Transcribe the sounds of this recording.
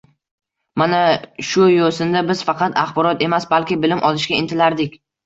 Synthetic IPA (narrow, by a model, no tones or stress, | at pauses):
manaʃʊjosɪnd̪abɪz̥fɑqʰɑt̪aχbɒɾɒt̪e̞masbalkʲɪbɪlɪmʔɒlɪʃɡʲaɪnt̪ʰɪlaɾd̪ɪkʲ